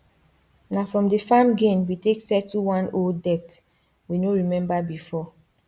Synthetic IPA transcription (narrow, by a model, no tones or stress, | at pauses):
nafɹɔ̃mdəfamɡẽnwiteksɛtuwãnoldɛp̚t | winoɹimɛ̃mbabifɔ